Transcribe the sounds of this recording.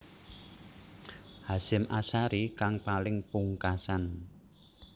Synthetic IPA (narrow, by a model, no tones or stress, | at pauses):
hasɪmʔasaɾikaŋpalɪŋpuŋkasan